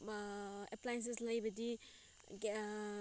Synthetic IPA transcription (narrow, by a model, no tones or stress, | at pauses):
eplajens̬eslɐjbɐdi